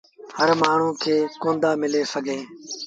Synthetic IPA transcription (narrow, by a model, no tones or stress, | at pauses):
həɾmaːɳ̤ũːkʰeːkõːnd̪aːmɪleːsəɡʱẽː